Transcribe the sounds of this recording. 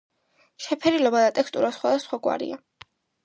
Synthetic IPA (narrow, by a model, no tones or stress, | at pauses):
ʃɛpʰɛɾilɔbad̪at̪ʼɛkst̪ʼuɾasχwad̪asχwakʼwa̰ɾḭa